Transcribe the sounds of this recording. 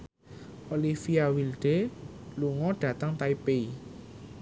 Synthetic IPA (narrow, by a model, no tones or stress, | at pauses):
olifiawilɖ̥eluŋɔɖ̥ä̤t̪əŋt̪aipei